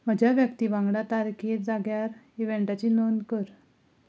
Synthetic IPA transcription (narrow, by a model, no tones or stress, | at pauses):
m̤əd͡ʑʱaʋjəkt̪iːbãŋɡɽat̪aɾkʰit̪d͡zaɡjaɾ | iʋeɳʈat͡ɕinonkəɾ